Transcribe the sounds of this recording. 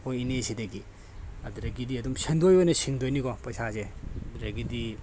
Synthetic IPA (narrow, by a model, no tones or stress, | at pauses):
ojinesidɐɡi | ɐduɾɐɡidiɐdumsendojojnɐsiŋdojnikɔpɐjsazedɾaɡidi